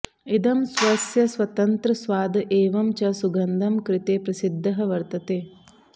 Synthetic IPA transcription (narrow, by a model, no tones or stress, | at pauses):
id̪ɐmsʋɐsjɐsʋɐt̪ɐnt̪ɾɐsʋaːd̪ɐʔeːʋɐmt͡ʃɐsuɡɐnd̪ʱɐmkɾɪt̪eːpɾɐsid̪ʱːɐɦɐʋɐɾt̪ɐt̪eː